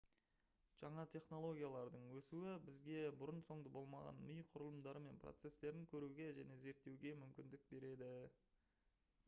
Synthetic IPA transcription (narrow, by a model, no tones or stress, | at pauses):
ʒ̥ɑɴɑt̪ʲʰe̞χno̞lˠo̞ɡʲijalˠɑɾd̪əɴwɵsuwɪbɪzɡʲe̞bʊɾənso̞ɴd̪əbo̞lˠmɑʁɑ̰nmʏjqʰʊɾəlˠəmd̪ɑɾəme̞npʰro̰t̪se̞st̪e̞ɾɪŋkʲʰɵɾuɡʲe̞ʒæne̞ze̞ɾt̪ːe̞wɡʲe̞mʏmkʲɪnd̪ɪk̚be̞ɾe̞d̪ɪ